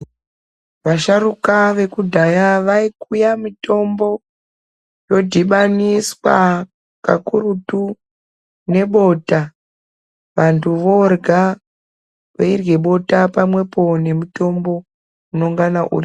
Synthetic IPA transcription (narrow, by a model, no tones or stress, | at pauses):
ʋaʃarukaʋe̞kudʱajaʋaikujamito̞mbo̞ | jo̞dʱiɓaniswa | kakurutu | ne̞ɓo̞ta | ʋantʰuʋo̞rɡʱa | ʋairwe̞ɓo̞tapamwe̞po̞ne̞muto̞mbo̞ | uno̞ŋɡanaʔṵri